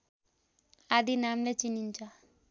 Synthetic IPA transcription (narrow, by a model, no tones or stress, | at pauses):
ad̪inamlet͡ʃinint͡ʃa